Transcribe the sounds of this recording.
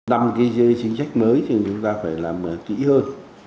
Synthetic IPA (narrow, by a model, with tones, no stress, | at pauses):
na˨˧˩mkaː˨˦jzə˧t͡ɕi˨˦ŋ̟sa˦˥jk̟̚məː˨˦jɲɨ˧˩ŋt͡ɕʊ˨˦ŋ͡mt̪aː˧faː˧˩jlaː˨˩mː˨˩kḭ˧˥həː˧n